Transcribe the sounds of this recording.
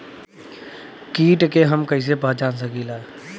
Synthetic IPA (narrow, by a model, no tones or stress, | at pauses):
kiːʈkeɦəmkəis̬epəɦd͡ʒaːnsəɡilaː